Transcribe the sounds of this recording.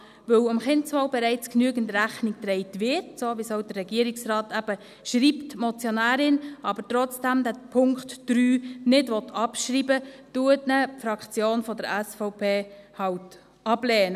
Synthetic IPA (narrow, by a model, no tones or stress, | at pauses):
ʋɵwʊmχɪntsfɔwbɛɾɛɪt͡sknyəɡən̩tɾæχnik̚tɾɛɪtʋɪɾtsoːʋisɔʊd̥ərɛɡiəɾiksɾɑːtæb̥ə | ʃɾiːptmɔt͡sjɔnæːɾɪnɑbətɾɔt͡sd̥æmdæpʰʊŋktd̥ɾyːnɪdʋɔtɑpʃɾiːbətuətnəfɾɑkt͡sjoːnfɔdəɾæsfɔʊpʰeːhɑwt | ɑblɛːnə